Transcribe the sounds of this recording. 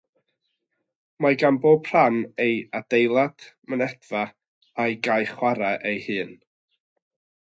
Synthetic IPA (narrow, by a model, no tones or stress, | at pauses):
maɡanboːbʰr̥anejad̥ejlˠad̥mənɛdva | ajɡajχwaɾaʔejhɨːn